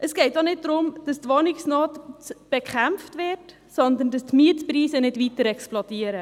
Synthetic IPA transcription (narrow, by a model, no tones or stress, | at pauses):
ʔəsɡ̥ɛɪtdonɪd̚dɾʊmd̥ɑstʋɔnɪksnɔːtb̥ɛkχæmftʋɪɾt | sɔnd̪əndɑstmiətprɾiːsənɪdʋitəɾɛksplɔdiəɾə